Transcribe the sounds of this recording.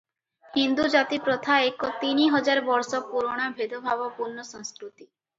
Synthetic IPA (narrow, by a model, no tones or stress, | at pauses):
hind̪ud͡ʒat̪ipɾɔt̪ʰaekɔt̪iniɦɔd͡ʒaɾbɔɾsɔpuɾoɽ̃abʱed̪ʱobʱabɔpuɾnːɔsɔ̃ŋskɾut̪i